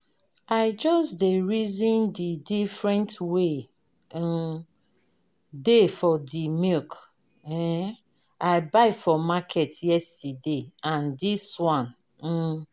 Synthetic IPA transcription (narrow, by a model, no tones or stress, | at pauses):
aɪd͡ʒɔsdeɹizĩndidifɹɛ̃ntwe | defɔdimilk | ɛ | aɪbaɪfɔmakʰɛtjɛstədeãndiswɔ̃n̩